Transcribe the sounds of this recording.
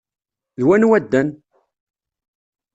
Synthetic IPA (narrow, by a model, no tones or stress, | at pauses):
ðwænwæd̪ːæn